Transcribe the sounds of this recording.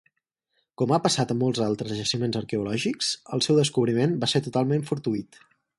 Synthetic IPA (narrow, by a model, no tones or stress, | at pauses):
kɔmapəsat̪əmɔlˠzalˠt̪ɾəzəʒəʃimenzəɾkɛulɔʒiksə̰lˠsɛwðəskuβɾimenbasɛɾt̪ut̪alˠmeɱfuɾt̪uit̪